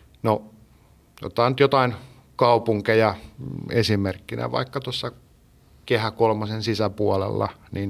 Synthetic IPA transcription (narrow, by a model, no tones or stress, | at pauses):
no | jo̰t̪ːɑːnyt̪jot̪ɑin | kɑupuŋkejɑesimerkːinḛʋɑ̰ikːɑt̪uosːɑ | kehækolmɑsensisæpuɑlḛlːɑ̰nin